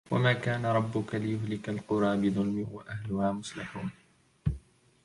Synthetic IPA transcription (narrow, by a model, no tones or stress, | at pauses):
wa̰maːkaːnaɾˤɑbːʊkalɪjʊhlɪkalqʊɾˤɑːbɪðˤʊlmɪhwaʔahlʊhaːmʊslɪħuːn